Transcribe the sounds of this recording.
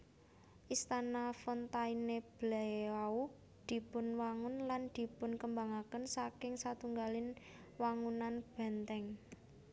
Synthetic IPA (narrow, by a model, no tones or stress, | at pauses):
ʔist̪anafɔnt̪aineb̥lɛau | d̪̥i̤pʊnwaŋʊnland̪̥i̤pʊnkəmbaŋakənsakɪŋsat̪uŋɡalɪn | waŋunanb̥ɛ̤nt̪ɛŋ